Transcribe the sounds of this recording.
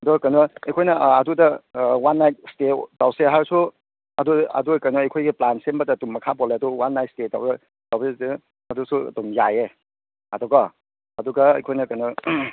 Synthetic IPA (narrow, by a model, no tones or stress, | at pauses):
ɐdɔkɐnɔejkʰojnɐːdudɐwanːajt̚stetawseɦaɾsu | ɐduɐ̰duɡakajnɔɐjkʰojɡiplansembɐtatumːɐkʰabɔleɐduwanːajt̚steta̰wse | tawbedi | ɐdusṵdɔmjaje | ɐdɔɡa | ɐduɡɐɐ̰jkʰojnɐkɐnɔ